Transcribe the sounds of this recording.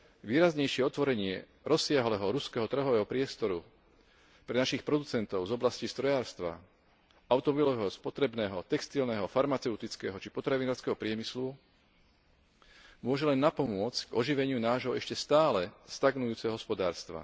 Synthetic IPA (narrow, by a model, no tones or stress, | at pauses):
ʋiːɾazɲɛjʃɪɛɔt̪ʋɔɾɛɲɪɛ | ɾɔsɪaɦlɛːɦɔɾuskɛɦɔt̪r̩ɦɔʋɛːɦɔpɾɪɛst̪ɔɾu | pɾɛnaʃixpɾɔd̪ut͡sɛnt̪ɔʊzɔblascist̪ɾɔjaːɾst̪ʋa̰ | aʊt̪ɔmɔbilɔʋɛɦɔspɔt̪ɾɛbnɛːɦɔt̪ɛkst̪ilnɛɦɔfaɾmat͡sɛʊt̪it͡skɛːɦɔt͡ʃipɔt̪ɾaʋinaːɾskɛɦɔpɾɪɛmislu | mʊɔʒɛlɛnːapɔmʊɔt͡scɡ̥ɔʒiʋɛɲɪunaːʒɦɔɛʃcɛst̪aːlɛst̪aɡnujuːt͡sɛɦɔɦɔspɔd̪aːɾst̪ʋa̰